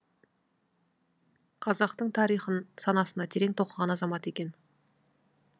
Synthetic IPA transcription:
qʰɑzɑqt̪əɴt̪ʰɑɾijχənsɑnɑsənɑt̪ʰe̞ɾe̞ŋt̪ʰo̞qəʁɑnɑzɑmɑt̪e̞kʲe̞n

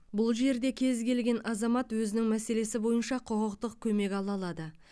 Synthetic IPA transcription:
bʊlˠʒe̞ɾd̪e̞kʲʰe̞zkʲe̞lɡʲe̞nʔɑzɑmɑt̪wɵzɪnɪŋmæse̞le̞sɪbo̞jənʃɑqʰoqəqt̪əqkʲʰɵme̞kʲɑlˠɑlˠɑd̪ə

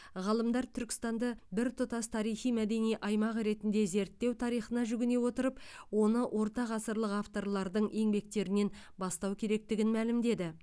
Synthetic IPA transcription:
ʁɑlˠəmd̪ɑɾt̪ʰʏɾkʲɪ̥st̪ɑnd̪ɑbɪɾt̪ʰʊt̪ɑst̪ʰɑɾijχijmæd̪e̞nijʔɑjmɑʁɾe̞t̪ɪnd̪e̞ze̞ɾt̪ːe̞wt̪ʰɑɾijχənɑʒʏɡʲɪne̞wo̞t̪əɾəpwo̞nəwʔo̞ɾt̪ɑʁɑsəɾlˠəqaft̪o̞ɾlˠɑɾd̪əɴʔe̞ŋbe̞k̚t̪e̞ɾɪne̞n | bɑst̪ɑwkʲʰe̞ɾe̞k̚t̪ɪɡʲɪnmælɪmd̪e̞d̪ɪ

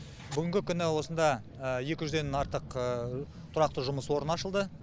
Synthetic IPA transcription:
bʏɡʲɪŋɡʲɪkʲʰʏnɪwo̞sənd̪ɑ | əje̞kʲɪʒʏze̞nɑɾt̪əqə | t̪ʰʊɾɑq̚t̪əʒʊməswo̞ɾənɑʃəlˠd̪ə

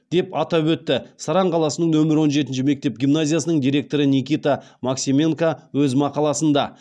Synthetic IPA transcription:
d̪̥e̞pɑt̪ɑpwɵt̪ːɪsɑɾɑɴqʰɑlˠɑsənəɴnɵmɪɾwo̞nʒe̞t̪̬ɪnʃɪme̞k̚t̪e̞p̚ɡʲimnazʲijasənəɴd̪ijɾʲe̞k̚t̪o̞ɾənʲikʲijt̪amaksʲimʲe̞ŋkawɵzmɑqɑlˠɑsənd̪ɑ

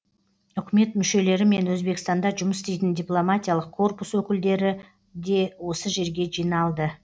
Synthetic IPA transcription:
ʏkʲɪme̞t̪mʏʃe̞le̞ɾɪme̞nwɵzbe̞kst̪ɑnd̪ɑʒʊməsst̪e̞jt̪ɪnd̪ʲijplˠomat̪ʲijalˠəqʰːo̞rpuswɵkʲɪld̪e̞ɾɪ | d̪e̞wo̞səʒe̞ɾɡʲe̞ʒijnɑlˠd̪ə

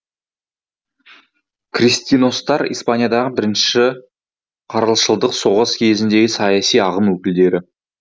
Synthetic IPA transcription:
krist̪ino̞st̪ɑɾḭjspanʲijad̪ɑʁəbɪɾɪnʃɪ̥ʃɪ | qʰɑɾəlˠʃəlˠd̪əqso̞ʁəskʲʰe̞zɪnd̪e̞ɡʲɪsɑjɑsijɑʁəmwɵkʲɪld̪e̞ɾɪ

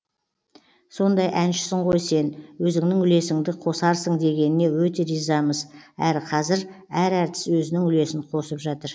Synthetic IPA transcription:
so̞nd̪ɑjʔænʃɪ̥sɪɴqʰo̞jse̞nwɵzɪŋnɪŋʏle̞sɪŋd̪ɪqʰo̞sɑɾsəɴd̪e̞ɡʲe̞nɪne̞wɵt̪e̞ɾijzɑməzæɾqʰɑzɪɾæɾæɾt̪ɪ̥swɵzɪnɪŋʏle̞sɪɴqʰo̞səpʒɑt̪əɾ

